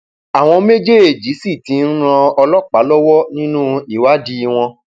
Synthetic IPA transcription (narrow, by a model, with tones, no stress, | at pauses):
a˨w̃ɔ̃˧me˦d͡ʒe˦e˨d͡ʒi˨˦si˦˨tĩ˨˦n̩˦ɾ̃ã˧ɔ˧lɔ˦k͡pa˨˦lɔ˦wɔ˦nĩ˦nũ˦i˦˨wa˦di˧w̃ɔ̃˧